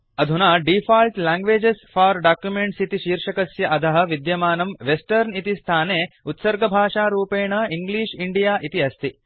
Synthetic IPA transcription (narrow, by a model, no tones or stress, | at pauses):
ɐd̪ʱunaːɖifʰaːlʈlaːŋɡʋeːd͡ʒesfaːɾɖaːkjumeɳʈsit̪iʃiːɾʂɐkɐsjɐʔɐd̪ʱɐɦɐ̆ʋid̪jɐmaːnɐmʋesʈɐɾnit̪ist̪ʰaːneːut̪sɐɾɡɐbʱaːʂaːɾuːpeːɳɐiŋɡliːʂiɳɖijaːʔit̪iɐst̪ʰi